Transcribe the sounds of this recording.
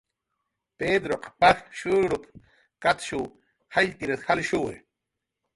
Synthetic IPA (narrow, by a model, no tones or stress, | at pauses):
ped̪ɾoqʼpaxʃuɾup | kat̪ʃuw | hajt̪iɾat̪xalʃuwḛ